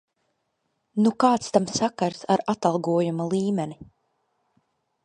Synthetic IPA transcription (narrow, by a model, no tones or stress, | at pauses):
nukaːt̪st̪amsakaɾsaɾat̪alˠɡuɔjumalˠiːmɛni